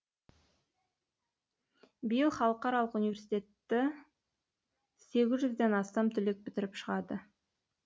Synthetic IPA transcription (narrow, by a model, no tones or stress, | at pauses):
bijəlˠχɑlˠəqɑɾɑlˠəqunivʲe̞ɾsijt̪e̞t̪ːɪ | se̞ɡʲɪzʒʏzd̪e̞nɑst̪ɑmt̪ʰʏlek̚pʰɪt̪ɪɾɪpʃəʁɑd̪ə